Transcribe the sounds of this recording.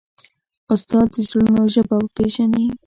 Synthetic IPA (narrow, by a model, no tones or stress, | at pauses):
ʊst̪ɑd̪ːəzʊlunoʒəbawəpeʒani